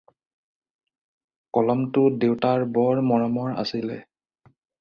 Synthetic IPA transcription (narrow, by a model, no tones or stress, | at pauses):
kɔlɔmtʊdewtaɹbɔɹmɔɹɔmɔɹa̰silɛ̰